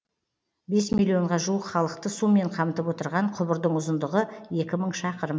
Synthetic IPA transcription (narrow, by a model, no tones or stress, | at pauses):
be̞smilʲio̞ɴʁɑʒuwəqχɑlˠəq̚t̪əsumːe̞ɴqʰɑmət̪əpwo̞t̪əɾʁɑɴqʰʊbəɾd̪əɴʊzənd̪əʁəe̞kʲɪməɴʃɑqəɾəm